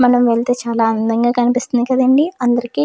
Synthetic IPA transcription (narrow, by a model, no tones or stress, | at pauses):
mɐnɐmʋeɭt̪e̞ːt͡ʃaːlaːɐnd̪ɐŋɡaːkɐnipist̪und̪ikɐd̪ɐɳɖiɐnd̪ɐɾiki